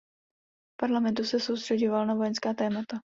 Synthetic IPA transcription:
paɾlamɛnt̪usɛso̞wst̪r̥ɛɟovalnavojɛnskaːt̪ɛːmat̪a

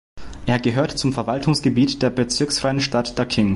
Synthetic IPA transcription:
ʔeːɐɡəɦøːɐtt͡sʊmfɛɐvaltʰʊŋsɡ̥əbiːtd̥eːɐbət͡sɪɐksfʁ̥aɪənʃtatd̥akʰɪŋ

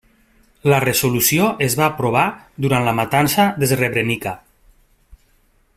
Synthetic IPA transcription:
ləresolusioʔezβaːpɾoβ̞ad̪uɾantlamat̪ansaðezreβɾenika

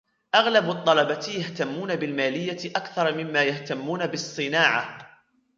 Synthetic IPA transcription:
ʔaɣlabt̪ˤːɑlɑbat̪jaht̪amːuːnabɪlmaːlɪjːaʔakθɑɾˤmɪmːaːjaht̪amːuːnabɨsˤːɨnaːʕa

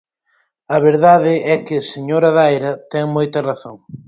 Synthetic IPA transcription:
ɐβeɾðaðɪɛkɪseɲoɾɐðajɾɐt̪ɛŋmojt̪ɐraθoŋ

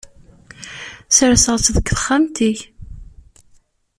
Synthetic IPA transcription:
sɾsəʁˤt͡sðəkθə̥χːamt̪iç

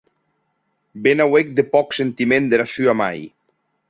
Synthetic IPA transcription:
benawek̚d̪epɔksent̪imẽnd̪eɾasyama̰j

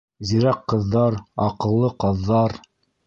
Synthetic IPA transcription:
ziɾɑqːɤ̆ðːɑɾɑqɤ̆lˠːɤqɑðːɑɾ

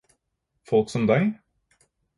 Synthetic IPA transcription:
fɔlksɔmd̪æɪ

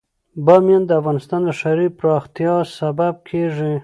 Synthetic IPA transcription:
bamjɑnd̪əafɣɑnɪst̪ɑnd̪əʃaɾipɾɑxt̪jɑsabab̚kʰeʐi

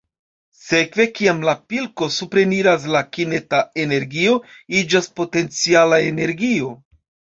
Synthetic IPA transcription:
se̞kve̞kiamlapilko̞supɾe̞niɾas̬lakine̞tae̞ne̞ɾɡio̞id͡ʒaspo̞te̞nt͡sialaene̞ɾɡio̞

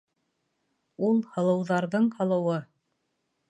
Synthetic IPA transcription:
ulˠhɤ̆lˠɤ̆wðɑɾðɤɴhɤ̆lˠɤ̆wɤ

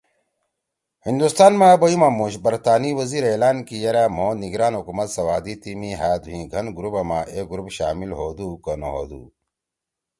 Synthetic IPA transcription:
hind̪ust̪aːnmaboimamuɕbɐɾt̪aːniwɐziɾeːlaːnkijɐɾaːm̤õːniɡɾaːnɦukumɐt̪sɐwaːd̪it̪imĩɦaːd̪uɦĩɡʱɐnɡuɾubɐmaʔeɡuɾupɕaːmilɦoːd̪uːkənoɦo̰d̪ṵ

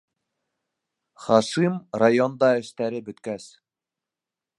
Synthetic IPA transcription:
χɑʃimrajond̪ɑɘ̆ʃt̪æɾɘbɵ̆t̪kæs

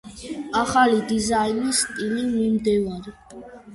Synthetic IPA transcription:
aχalid̪izainist̪ʼilimimd̪ɛvaɾi

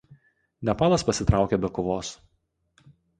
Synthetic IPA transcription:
nʲɛpɑːlˠɐspɐsʲɪt̪ɾɑˑʊkʲebʲɛkʊʋoːs

